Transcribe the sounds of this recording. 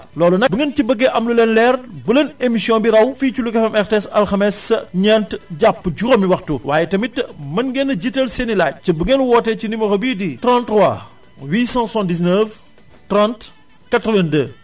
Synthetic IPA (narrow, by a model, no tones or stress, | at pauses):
lɔːlunɐbuŋəncibəɡːɛʔɐmlulɛnlɛːrbulɐnemisjɔ̃biɾɐwfiːculukɛfɛmɛrteɛsɐlxɐmɛsɲɛntɟapːɟuɾɐmiwɐxtuwaːjɛtɐmitːmɐnɡɛnːɐɟitɐlsenilaːt͡ʃɐbuŋɛnwɔːtɛcinimɐxɐbiːditɾãntrwa̰ | wiːsãsãndis̬nəf | trãnt | kɐtɾɔvɐndə̰